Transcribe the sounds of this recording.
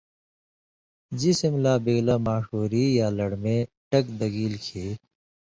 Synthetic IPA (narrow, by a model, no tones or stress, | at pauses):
d͡ʑisimlaːbeːɡlamaːʂoːɾijaːlɐɽmẽ | ʈɐkd̪ɐɡiːlkʰeː